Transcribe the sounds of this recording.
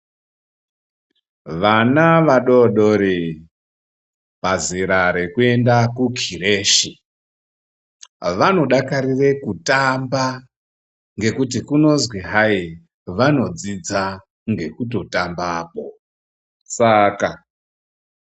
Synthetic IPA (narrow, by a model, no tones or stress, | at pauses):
ʋanaʋaɗoɗoɾi | paziɾaɾe̞kue̞ndakukʰireːʃi | ʋano̞ɗakaɾire̞kutamba | ŋɡe̞kutikuno̞zwiɦai | ʋano̞d͡zid͡za | ŋɡe̞kuto̞tambaːpo̞ | saka